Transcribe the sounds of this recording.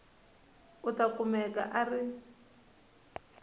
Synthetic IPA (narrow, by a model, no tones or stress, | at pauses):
ʊtakumɛka̰ʔari